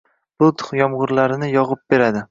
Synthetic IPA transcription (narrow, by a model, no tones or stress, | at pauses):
b̥ʊt̪ʰʊ̥χjɒmʁʊɾlaɾɪnɪjɒʁɨp̚be̞ɾad̪ɪ